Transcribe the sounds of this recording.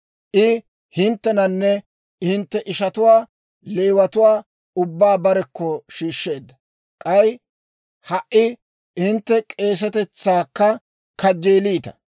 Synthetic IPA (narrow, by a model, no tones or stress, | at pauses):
ʔɪ | hɪnt̪ːɛnɐnːɛ | hɪnt̪ːɛʔɪʃɐt̪ʊwaː | leːwɐt̪ʊwaː | ʊbːaːbɐɾɛkːɔʃiːʃːe̞ːd̪ːɐ | kʼɐj | hɐʔʔɪ | ɪnt̪ːɛkʼe̞ːs̬ɛt̪ɛt͡sːaːkːɐ | kɐd͡ʒːeːliːt̪ɐ̥